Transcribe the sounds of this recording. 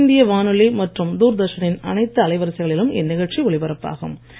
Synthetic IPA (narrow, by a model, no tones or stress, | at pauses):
nd̪ɪjɐʋaːnɯlɪlmɐʈrɯmd̪uːɾd̪ɐʂɐnɪnɐ̰nɐɪt̪ːɯɐlɐɪʋɐɾɐsɪɣɐɭɪlɯmʔɛ̰nːɪɣɐɻt͡ʃiɔɭɪpɐɾɐpːa̰ːɣɯ̰m